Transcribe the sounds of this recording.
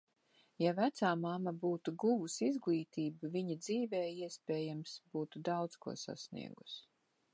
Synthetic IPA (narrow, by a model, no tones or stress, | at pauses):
javæt̪saːmamabuːt̪uɡuvusizɡlˠiːt̪iːbuviɲad̪ziːvɛːiɛspʲɛːjamsbuːt̪ud̪awt̪skṵɔsa̰snḭɛɡus